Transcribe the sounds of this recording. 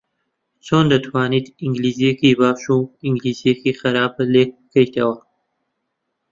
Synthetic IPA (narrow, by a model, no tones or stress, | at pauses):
t͡soːnd̪ɐt̪ʰwaːniːt̪iŋɡliːzijekibaːʃuiŋɡliːzijekiːxɐɾaːbleːk̚bɨkɐjt̪ʰɐwɐ